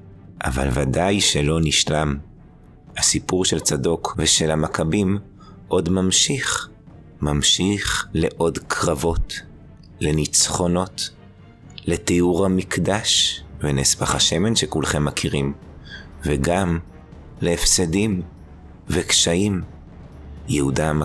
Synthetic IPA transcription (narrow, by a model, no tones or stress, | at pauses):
ʔa̰va̰lvadajʃe̞lo̞niʃlam | hasipuʁʃelt͡sado̞kveʃelamakʰabim | ʔo̞dmamʃiχ | mamʃiχle̞ʔo̞dkʰʁavo̞t | le̞nit͡sχo̞no̞t | le̞teuʁhamikdaʃvenesbaχaʃe̞me̞nʃekulχe̞mːakʰiʁim | veɡam | leːfsedim | vekʃaim | jehudama